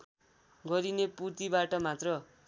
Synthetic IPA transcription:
ɡʌɾineput̪ibaʈʌmat̪rʌ

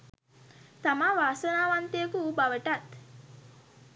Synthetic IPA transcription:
t̪amaʋaːsənaːʋant̪ejəkubaʋəʈat̪

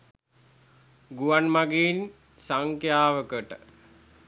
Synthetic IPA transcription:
ɡuʋanmaɡeːn | saŋkjaːʋəkəʈə

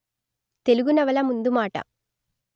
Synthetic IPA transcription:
t̪e̞luɡunɐʋɐlɐmund̪umaːʈɐ̰

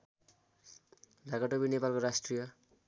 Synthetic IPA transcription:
d̪ʱaɡaʈobinepalkoɾasʈrijʌ

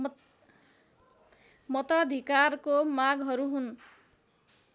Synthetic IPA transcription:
mʌt̪ad̪ʱikarkomaɡɦʌɾuɦun

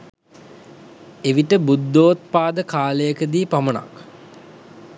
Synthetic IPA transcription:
eʋiʈəbud̪ːoːt̪paːd̪əkaːləjəkəd̪iːpaməna̰k

